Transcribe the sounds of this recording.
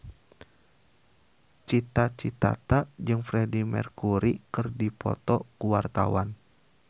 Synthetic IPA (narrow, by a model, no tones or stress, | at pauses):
t͡ʃit̪at͡ʃit̪a̰t̪ad͡ʒɨŋfɾɛdimɛ̰rkuɾikɨrdipɔ̰t̪ɔkuwart̪a̰wan